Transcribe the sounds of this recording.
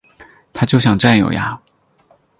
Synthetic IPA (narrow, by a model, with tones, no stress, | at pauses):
t̪ʰa˥˧t͡ɕjo˥˩ʊɕjɑ˨˩ŋʈ͡ʂa˥˩njo̰˨˩ʊja̰˧